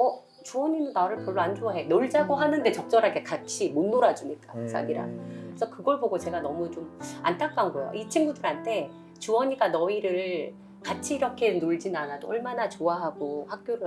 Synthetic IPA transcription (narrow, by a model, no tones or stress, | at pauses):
ʌ | t͡ɕuwʌɲinɯnːaɾɯɭpjʌɭːoand͡ʑoaɦenoɭd͡ʑaɡoɦanɯnde̞t͡ɕʌk̚t͡ɕ͈ʌɾɦaɡe̞kat͡ɕʰimonːoɾad͡ʑuɲik͈akɯs͈ʰa̰ɡiɾa̰nkɯes͈ʰʌkɯɡʌɭboɡot͡ɕe̞ɡanʌmut͡ɕoma̰ntʰak͈ːanɡojo̰ʔit͡ɕʰiŋɡudɯɾɦantʰe̞ | t͡ɕuwʌɲiɡanʌiɾɯɭ | kat͡ɕʰiːɾʌkʰe̞noɭd͡ʑinanadoʌɭmanat͡ɕoaɦaɡohak̚k͈joɾɯ